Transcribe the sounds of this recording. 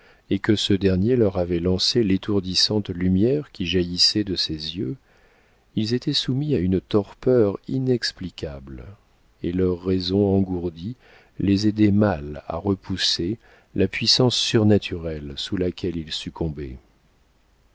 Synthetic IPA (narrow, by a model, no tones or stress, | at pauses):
ekəsəd̪ɛʁnjelœʁavɛlɑ̃selet̪ʰuʁd̪isɑ̃t̪lymjɛʁkʲiʒajisɛd̪əsezjø | ilzet̪ɛsumiaynt̪ɔʁpœʁinɛksplikʲʰabl | elœʁːɛzɔ̃ɑ̃ɡuʁd̪i | lezed̪ɛmala̰ʁəpuse | lapɥisɑ̃sːyʁnat̪ʰyʁɛlsulakʲʰɛlilsykɔ̃bḛ